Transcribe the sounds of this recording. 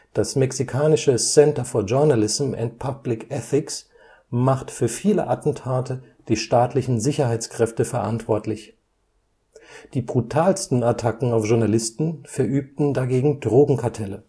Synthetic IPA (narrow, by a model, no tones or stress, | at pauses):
d̥asmɛksikʰaːnɪʃəsɛntɐfoːɐʒʊɐnalɪzm̩ɛ̰ntpʰablɪkʔɛθɪks | maχtfyːɐfiːlə̰ʔatn̩tʰaːtə | d̥iːʃtaːtlɪçn̩zɪçɐhaɪt͡skʁ̥ɛftəfɛɐʔantv̥ɔɐtlɪç | d̥iːbʁutʰaːlstn̩atʰakŋ̩aʊfʒ̥ʊɐnalɪstn̩fɛɐʔyːp̚tn̩daɡeːɡŋ̩dʁoːɡŋ̩kʰaɐtʰɛlə